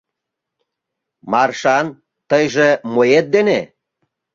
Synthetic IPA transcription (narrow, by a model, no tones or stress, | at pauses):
mɑrʃɑn | t̪əjʒemojet̪̚d̪ene